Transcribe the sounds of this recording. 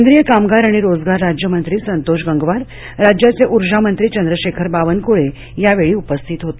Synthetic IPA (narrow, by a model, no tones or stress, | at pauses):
knd̪ɾijəkamɡaɾaɽ̃iɾod͡zɡaɾːad͡ʑjəmənt̪ɾiːsənt̪oɕ̬ɡəŋɡʋaɾː | ad͡ʑjat͡seʔuɾd͡ʑamənt̪ɾiːt͡ɕənd̪ɾəɕekʰəɾbaʋənkoɭe | jaʋeɭiːupəst̪ʰiːt̪ɦot̪